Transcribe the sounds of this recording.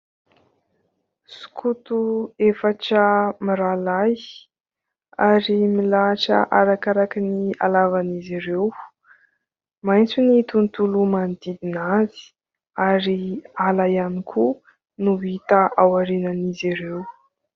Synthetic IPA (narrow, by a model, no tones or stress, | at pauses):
su̥kʰut̪uefaʈ͡ʂəmiɾalaj | aɾimilaʈ͡ʂə̰ʔaɾakaɾakinialavaniziɾew | majnt͡sunit̪unt̪ulumand̪id̪inazi̥ | aɾialajanikʰu | nuit̪aʔawaɾenaniziɾew